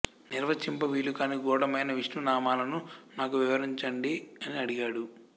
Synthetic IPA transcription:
niɾʋɐt͡ʃimpɐʋiːlukaːniːɡɔːɽɐmɐjnɐʋiʂnunaːmaːlɐnunaːkuʋiʋɐɾiɲt͡ʃɐɳɖiɐniɐɽiɡaːɽu

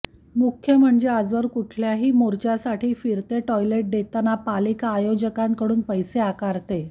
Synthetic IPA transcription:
mukʰjəm̤əɳd͡ʑead͡zʋəɾkuʈʰljaɦiːmoɾt͡ɕjasaʈʰiːfiɾt̪eʈɔjleʈ̚d̪et̪anapalikːjod͡ʑəkãŋkəɽuːnpəjseakaɾt̪e

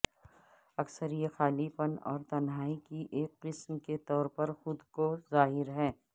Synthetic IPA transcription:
ɐksəɾijexaːlifənɔ̰ːɾt̪ɐnɦaːikiʔeːk̚qɪsmket̪ɔːɾpɐɾxʊd̪kozaːɦɪɾɦɛː

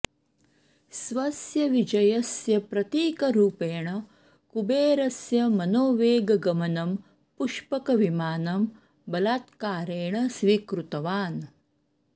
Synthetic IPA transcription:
sʋɐsjɐʋid͡ʒɐjɐsjɐpɾɐt̪iːkɐɾuːpeːɳɐ | kubeːɾɐsjɐmɐnoːʋeːɡɐɡɐmɐnɐm | puʂpɐkɐʋimaːnɐm | bɐlaːt̪kaːɾeːɳɐsʋiːkɾut̪ɐʋaːn

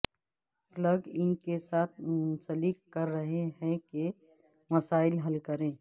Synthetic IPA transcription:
pləɡɪnkesaːt̪ʰsəlikːəɾːəɦeɦɛ̃ke | məsaːɪlɦəlkəɾẽː

